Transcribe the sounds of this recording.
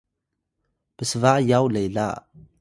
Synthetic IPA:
b̥əsəvaʔjawlejlaʔ

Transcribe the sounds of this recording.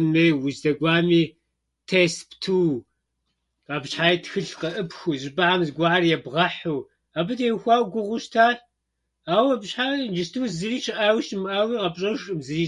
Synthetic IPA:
meːjwʊzdɐɡʷaːmiː | tʰesptʰuː | qɐbɕħaːjtxɨɬqɐʔɨpxʷuzɪbaʕamzɡʷaʕarjɛbʁɐħuː | abɨdewxʷaːwɡʷʊʁʷʊʃtʰaː | aːwɐbɕħand͡ʒɨstʰuːzɨriːt͡ʃʰɪʔaːwʃmʔaːwiːqɐbɕʼɐʒʼɨmzɨriː

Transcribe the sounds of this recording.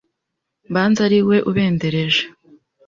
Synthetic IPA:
baːnzaɾiwe̞ʔuβe̞ːndeɾe̞ʒe̥

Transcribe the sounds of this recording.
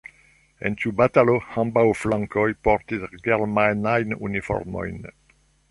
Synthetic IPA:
ɛ̰̃nt̪ubat̪alohãmbawflãŋkɔjpɔɾt̪it̪ɡɛɾmanajnunifɔ̰ɾmɔ̰jn

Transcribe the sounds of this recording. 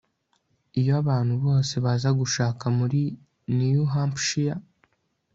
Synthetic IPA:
ijoaβaːn̥huβo̞ːseβazaɡuʃaːkamuɾi | nijuɦampʃija

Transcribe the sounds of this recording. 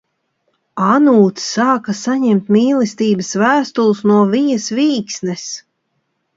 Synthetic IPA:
anuːt̪sːaːkasaɲɛmt̪mʲiːlˠɛst̪iːbɐsvæːst̪ulˠsnuɔvijɐsviːksnɛs

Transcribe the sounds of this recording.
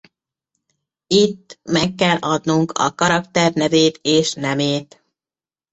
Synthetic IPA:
it̪ːmɛkːɛlːʔɒd̪nuŋkʰɒ̰kɒɾɒkt̪ɛrnɛveːt̪eːʃnɛmeːt̪

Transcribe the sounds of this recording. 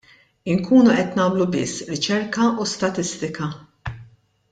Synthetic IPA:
ɪŋkʰuːnuʔɛt̪nɐːmlubɪ̰sːɾɪt͡ʃɛɾkɐust̪ɐt̪ɪst̪ɪkɐ

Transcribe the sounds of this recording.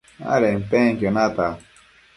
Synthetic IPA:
a̰ɾem̩peŋ̩kenata

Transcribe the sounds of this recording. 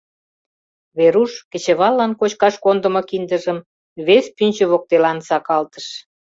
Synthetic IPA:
βeɾuʃkə̆t͡ɕĕβɑlːɑnkot͡ɕkɑʃkond̪ə̆mokind̪əʒəm | βespynʲt͡ɕə̆βok̚t̪elɑnsɑkɑlt̪ə̥ʃ

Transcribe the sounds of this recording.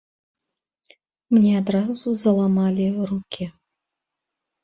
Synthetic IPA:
mnʲɛad̪ɾazuzɐlˠamalʲirukʲʰi

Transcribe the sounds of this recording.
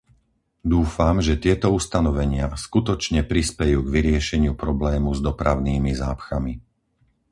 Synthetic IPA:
d̪uːfamʒɛt̪ɪɛt̪ɔust̪anɔʋɛɲɪaskut̪ɔt͡ʃɲɛpɾispɛjuːɡʋiɾɪɛʃɛɲɪupɾɔblɛːmuzd̪ɔpɾaʊniːmizaːpxami

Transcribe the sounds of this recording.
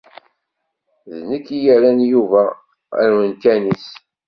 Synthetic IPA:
ðnəkːijæɾænjuvæ | æ̰ɾwənt̪ænis

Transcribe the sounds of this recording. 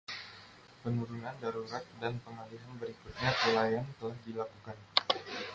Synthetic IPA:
pənuɾunandaɾuɾat̪̚danpəŋaliɦanbəɾikut̪̚ɲapəlajant̪əlahdilakukan

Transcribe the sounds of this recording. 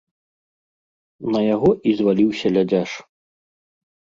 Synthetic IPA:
nɐjaɣɔʔizvalʲiwsʲɐlʲad͡zʲaʂ

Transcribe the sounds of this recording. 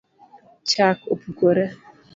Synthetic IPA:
t͡ʃakopukoɾɛ

